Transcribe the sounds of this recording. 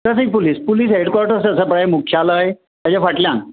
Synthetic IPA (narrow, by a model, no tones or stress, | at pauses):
kasik̚puliːspuliːsɦeɽkwaɾʈəɾsəəsəpɾaemukʰːjaləe | t̪ad͡ʑafaʈljãn